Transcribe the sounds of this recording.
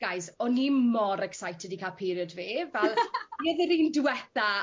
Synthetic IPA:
ɡ̥ajsɔnimɔɾɛksajtʰɛdikʰapʰiɾjɔdviːvɛlˠəðɪɾiːndwɛθa

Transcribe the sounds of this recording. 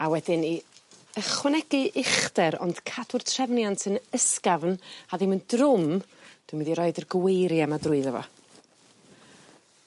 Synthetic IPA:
awɛdɪniəχwɛnɛɡɨʔɪχdɛɾɔ̰nd̥kʰadʊr̥tʰr̥ɛvnjantʰənəskavnaðɪməndrʊmd̥wɨmiðiɾɔːɨdərɡwejɾjamadrʊɨðəvɔ̰

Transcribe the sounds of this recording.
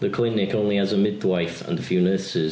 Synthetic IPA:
ðəkʰl̥ɪnɪkõʊ̃nliəzəmɪd̪waɪfə̰̃nəfjʉːnɜˑsɪz̥

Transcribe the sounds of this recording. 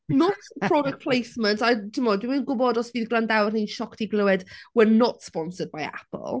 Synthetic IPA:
nɔtʰr̥ɔdɛk̚pʰl̥ejsməntatʰimɔdwiminɡʊbɔdɔsviːðɡlˠandawrninʃɔkd̥iɡlˠʊwɛd̥wɛnɔtspɔnsəd̚baja̰pʰə̰l̩ˠ

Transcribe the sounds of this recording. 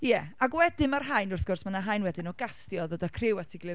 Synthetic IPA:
jɛaɡwɛdɪmarɦajnʊrθɡ̥ʊrsmənaɦajnwɛdɪnɔɡastjɔðoːdakʰrɪwatʰiɡlɪ

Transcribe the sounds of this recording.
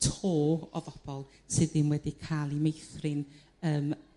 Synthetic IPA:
tʰoːɔ̰ðɔb̥ɔlˠ | sɨðɪnwɛdikʰalˠimejθrɨn | əːm

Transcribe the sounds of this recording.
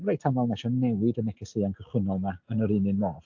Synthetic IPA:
mrajtʰamɔlˠnɛʃɔnɛwɪdənɛkʰɛsɨːankʰəχwɪnɔlˠmaənəɾɨnɨnmɔːv̥

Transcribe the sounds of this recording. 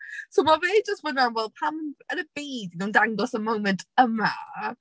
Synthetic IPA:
sowmavɪːd͡ʒəst̚wɪdanwɛlˠpʰaməənəb̥iːdɪnɔndaŋɡɔsəmowmə̃ntʰəma

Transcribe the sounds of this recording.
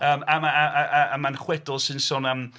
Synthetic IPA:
əːmamaaaʔaamanχwɛdʊlˠsɨnsʊnəm

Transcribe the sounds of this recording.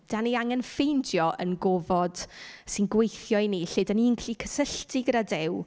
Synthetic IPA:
d̥aniaŋɛnfejndjɔʔə̰nɡɔvɔd̥sɪnɡwejθjɔjniɬɪdaninkʰɬikʰəsəɬtʰɪɡəɾadɪw

